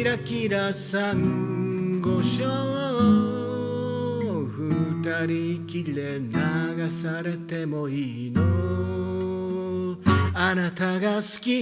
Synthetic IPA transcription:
ɾakiɾasaŋ | ɡoɕo | ɸɯt̪aɾikile | naɡasaɾe̞t̪e̞moino | anat̪aɡasɨ̥kʲi

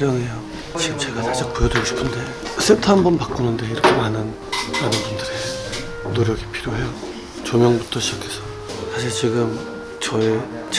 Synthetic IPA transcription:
ɾjʌŋɦe̞jo | t͡ɕiɡɯmt͡ɕe̞ɡasʰat͡ɕ͈ak̚pujʌdeɡoɕʰi̥pʰɯnde̞ | s͈ʰetʰɯanbʌnpak͈unɯnde̞iɾʌkʰe̞manɯn | manɯnbundɯɾe | noɾjʌɡipʰiɾjoɦejo | t͡ɕomjʌŋbutʰʌɕʰid͡ʑakʰe̞sʰʌ | sʰaɕ̬ʰiɭt͡ɕiɡɯm | t͡ɕʌe | t͡ɕ

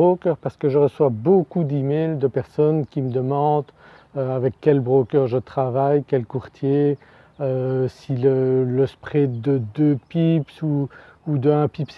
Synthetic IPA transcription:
okœʁpaʁsə̥kəʒəʁəswabokud̪imeld̪əpɛʁsɔnkʲiməd̪əmɑ̃d̪ | øavɛkːɛlbʁokʲœʁʒət̪χavajkʲɛlkuʁt̪je | øsilələspχɛd̪əd̪øpipsuud̪əɛ̃pips

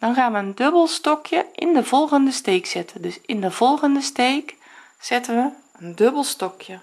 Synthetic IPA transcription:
d̥ɑnχaːnʋəəndɵbəlˠstɔkjəʔɪndəvɔlˠχəndəstejksɪtʰəndɵsɪndəv̥ɔlˠχəndəstejk | z̥ɪtənʋə | əndɵbəlˠstɔkʰjə

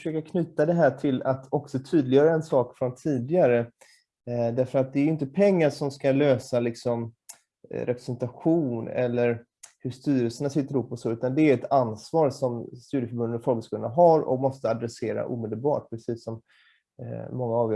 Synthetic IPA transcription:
ʂøːkakʰnyːt̪ad̪ɛɦæːʈʰɪlat̪ʰɔksɔt̪ʰyːd̪lɪjœːɾaɛnsɑːkfɾɔnt̪ʰiːd̪ɪɡaɾə | d̪æɾfœɾat̪̚d̪ɛɾjʏɪnt̪əpʰɛŋːaɾʂɔmskaløːsalɪksɔm | ɾɛpɾɛsɛnt̪aɧuːnɛ̰lːəɾ | hɵʂt̪yːɾəlsənasɪt̪ːəɾʊpːɔsoːʉ̟ːt̪and̪ɛæɾɛt̪ansvɑːɾsɔmst̪ʉ̟ːd̪jəfœɾbɵnd̪ənfɾoːɡəskuːlnaɦaɾɔ̰kmɔst̪əad̪ɾɛseːɾa̰ʔṵːmɛːd̪əlbɑ̰ːʈ̚pʰɾɛsiːsːɔm | ɔŋːaɑvj

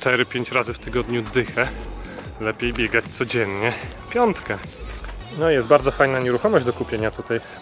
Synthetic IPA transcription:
t̪ɛɾɘpʲjeɲt͡ɕɾazɘft̪ɘɡɔd̪ɲud̪ɘxɛ | lɛpʲjejbʲjɛɡat͡ɕt̪sɔd͡ʑɛnɲɛpʲjɔnt̪kɛ | nɔjɛsd̪̚baɾd̪zɔfajnaɲɛɾuxɔmɔʑd͡ʑʲd̪ɔkupʲjeɲat̪ut̪aj

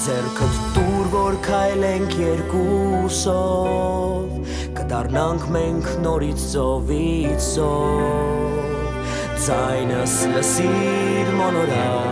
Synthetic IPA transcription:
d͡zɛɾkʰət̪t̪uɾvɔɾkʰajlɛŋkʰjɛɾkusɔ | v | kəd̪ɑrnɑŋkʰmɛŋkʰnɔɾit͡sʰt͡sɔvit͡sʰɔ | d͡zajnəsləsi | ɾmɔnɔɾa

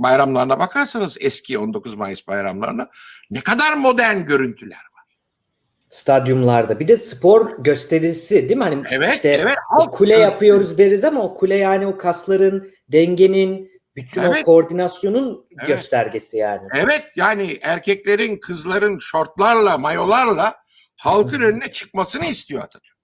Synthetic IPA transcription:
bajɾamlˠaɾɯnabakʰaɾsanɯzɛscʰio̞nd̪o̞kʰuzmajɯsbajɾa̰mlˠa̰ɾɯnanɛkad̪aɾmo̞d̪æɾnɟø̞ɾynt̪ʰylʲæ̰ɾvaɾ̥ | st̪ʰad̪jumlˠaɾd̪abid̪ɛsɯ̥pʰo̞ɾɟø̞st̪ʰe̞ɾilʲsid̪imhaniɛvɛʃt̪ɛɛvɛokʰulʲɛjapʰɯjo̞ɾuzd̪eɾizamaokʰulʲɛjaːniokʰaslˠaɾɯn | d̪ɛɲɟe̞nin | byt̪ʰyno̞kʰo̞ɾd̪inasjo̞nunɟø̞st̪ʰæɾɟe̞sija̰ːnɪɛvɛt̪jaːniʔæɾcʰɛclʲe̞ɾinkʰɯzlˠaɾɯnʃo̞ɾt̪lˠaɾlˠamajo̞lˠaɾlˠa | halˠkʰɯnønynɛt͡ʃʰɯ̥k̚masɯnɯist̪ʰijoa̰d̪ʰad̪y

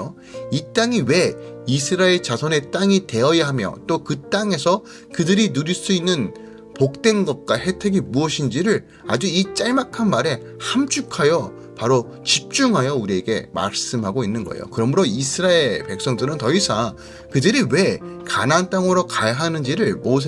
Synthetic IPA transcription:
o | it͈aŋiwe̞isʰɯɾaeɭt͡ɕasʰʌne̞t͈aŋite̞ʌjiɦamjʌ̰t͈okɯt͈aŋe̞sʰʌ | kɯdɯɾinuɾiɭs͈uinːɯn | pok̚t͈we̞nɡʌt̚k͈wahe̞tʰe̞ɡimuʌɕʰind͡ʑiɾɯɭ | a̰d͡ʑuit͡ɕ͈aɭmakʰanmaɾe̞ | hamt͡ɕ͈ʰukʰajʌ | paɾo | t͡ɕip̚t͡ɕ͈uŋɦajʌuɾie̞ɡe̞̰ma̰ɭs͈ɯmɦaɡoinːɯnɡʌ̰ḛjo̰kɯɾʌmɯɾoisʰɯɾaeɭpe̞k̚s͈ʌŋdɯɾɯntʌisʰa | kɯdɯɾiwe̞ka̰nant͈aŋɯɾokajɦanɯnd͡ʑiɾɯɭmos̬ʰ

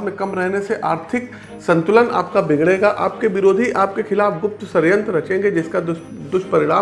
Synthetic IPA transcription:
mẽkɐmɾɛɦneseʔaːɾt̪ʰɪk | sɐ̃nt̪ʊləna̰ːpkabɪɡɽeːɡaʔaːp̚keʋɪɾoːd̪ʱiʔaːpkexɪlaːfɡʊp̚t̪sɐɾjə̃nt̪ɾɐt͡ʃẽːŋɡed͡ʒɪska | d̪ʊʃpɐɾɪɽaː

